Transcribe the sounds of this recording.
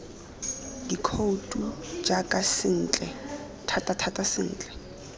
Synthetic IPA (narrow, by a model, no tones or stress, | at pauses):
dikʰoutʼud͡ʒakʼasɪn̩ːt͡ɬʼɛ | tʰatʼatʰatʼasɪn̩ːt͡ɬʼɛ̥